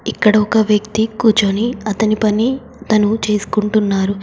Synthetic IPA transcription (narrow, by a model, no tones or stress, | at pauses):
ikːɐɽɐɔkɐʋjɐkt̪ikuːt͡ʃɐniɐt̪ɐnipɐni | t̪ɐnut͡ʃe̞ːsu̥kuɳʈunːaːɾu